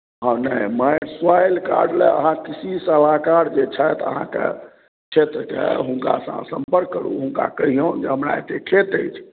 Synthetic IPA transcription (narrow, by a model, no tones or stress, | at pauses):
ɦə̃nəjmajɾswajlka̰ɾɖleə̰ɦãkisisəl̤akaɽd͡ʒet͡ʃʰəjt̪ə̰ɦã̰kḛ | t͡ʃʰet̪ɾəkḛɦũŋka̰sə̰̃səmpəɾkːəɽṵɦuŋka̰kəɦijõd͡ʒeɦəmɾaḛt̪ekʰet̪əjt͡ʃʰ